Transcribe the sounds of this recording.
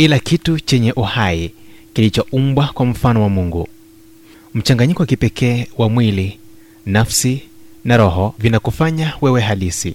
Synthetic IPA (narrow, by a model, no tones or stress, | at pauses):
kilakitut͡ʃɛɲɛʔuhaikilit͡ʃɔʔumbwakwam̩fanɔwamuŋɡu | m̩t͡ʃaŋɡaɲikɔwakipɛkʰɛːwamwili | nafsinaɾɔɦɔvinakufaɲawɛwɛɦalisḭ